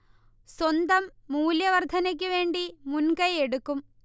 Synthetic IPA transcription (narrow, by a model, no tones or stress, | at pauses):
swɐnd̪ɐmːuːljɐʋɐrd̪ʱɐnɐk̬ʲːuʋe̞ːɳɖimunkɐjeɽukːum